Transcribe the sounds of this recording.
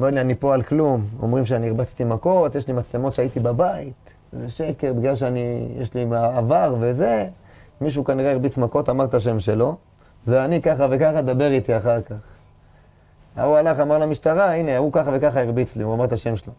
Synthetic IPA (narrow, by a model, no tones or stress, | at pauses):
amaʁlianipo̞alklumo̞̰mʁimʃ̬eanieʁbat͡si̥t̪imako̞t̪jeʃlimat͡slemo̞t̪ʃeait̪ibabait̪ | zeʃe̞keʁbiɡlalʃ̬eanijeʃlimaːvaʁve̞ze̞ | miʃ̬ukaniʁeiʁbit͡smako̞t̪amaʁt̪aʃ̬e̞mʃe̞lo̞ | zeanikaχave̞kaχad̪abe̞ʁit̪iaχaʁkaχ | a̰ualaχamaʁlamiʃt̪aʁaineukaχave̞kaχaiʁbit͡sliuamaʁt̪aʃe̞mʃelo